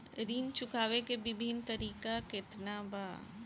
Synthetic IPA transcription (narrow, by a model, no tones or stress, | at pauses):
ɾiːnt͡ʃʊkʰaːʋekebɪbʱint̪ɐɾiːkakɪt̪nabaː